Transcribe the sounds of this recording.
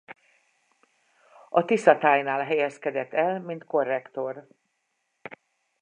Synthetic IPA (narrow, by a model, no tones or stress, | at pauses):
ɒt̪isɒt̪aːjnaːlɦɛjɛskɛd̪ɛt̪ːɛlmint̪ko̞rːɛkt̪o̞r